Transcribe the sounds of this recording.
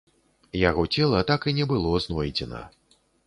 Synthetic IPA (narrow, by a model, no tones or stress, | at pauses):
jaɣɔt͡sʲɛlˠɐt̪akinʲɛbɨlˠɔznɔjd͡zʲɛnɐ̰